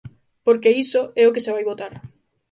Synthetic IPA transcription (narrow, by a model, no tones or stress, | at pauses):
poɾkeisoɛokeseβajβot̪aɾ